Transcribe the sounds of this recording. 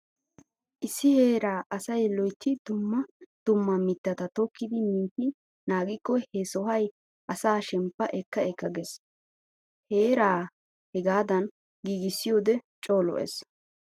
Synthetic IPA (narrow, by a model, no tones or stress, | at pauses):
ʔɪsːɪheːɾaːʔɐsɐjlɔjt̪ːɪd̪ʊmːɐd̪̥ʊmːɐmɪt̪ːɐt̪ɐt̪ɔkːɪd̪ɪmiːt̪ːɪ | naːɡɪkːɔhɛsɔɦɐj | ʔɐsaːʃɛmpːɐʔɛkːɐɛkːɐɡɛs | heːɾaː | hɛɡaːd̪ɐn | ɡiːɡɪsːɪjoːd̪ɛt͡ʃʼoːlɔ̰ʔḛs